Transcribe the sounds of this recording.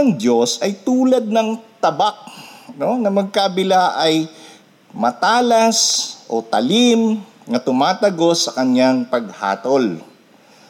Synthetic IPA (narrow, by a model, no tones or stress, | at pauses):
ɐŋd̪jo̞sɐjt̪uːlɐd̪̚nɐŋt̪ɐbak̚no̞nɐmɐɡ̚kabɪlaʔɐj | mɐt̪aːlɐsʔo̞t̪ɐ̰lim | ŋɐt̪ʊmaːt̪ɐɡo̞sɐkɐɲaŋpɐɡ̚ha̰ːt̪o̞l